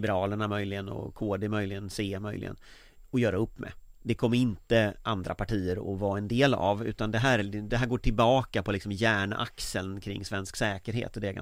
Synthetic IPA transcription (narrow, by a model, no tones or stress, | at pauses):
bɛɾɑːləɳamœjlɪɡənɔ̰kʰoːd̪ɛmœjlɪɡənseːmœjlɪ̰ɡə̰n | ɔjœːɾaɵpːmɛ̰d̪ɛkʰɔmːəɾɪnt̪əʔand̪ɾa̰pʰaʈʰiːəɾɔvɑːɛnd̪eːla̰vʉ̟ːt̪and̪ɛɦæːɾd̪ɛɦæːɾɡoːʈʰɪlbɑːkapʰɔlɪksɔmjæːɳʔa̰ksəlkʰɾɪ̰ŋːsvɛnsksɛːkəɾɦḛːt̪ɔd̪ɛːɡa̰